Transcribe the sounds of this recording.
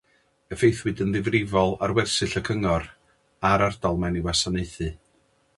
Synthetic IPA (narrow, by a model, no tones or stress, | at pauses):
əfejθwɨdənðɪvrɪvɔlˠarwɛrsɨɬəkʰəŋɔr | aɾard̥ɔlˠmɛniwasaneɨθɨ